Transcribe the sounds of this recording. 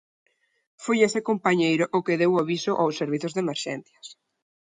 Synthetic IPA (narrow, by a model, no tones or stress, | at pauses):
fojesɪkompaɲejɾʊʔʊkɪðewaβisʊʔawseɾβiθʊzðemeɾʃɛ̰nθjɐs